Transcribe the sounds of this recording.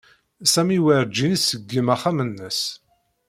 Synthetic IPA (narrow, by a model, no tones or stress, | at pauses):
sæmiwəɾd͡ʒinisəɡːəmæχæmənːəs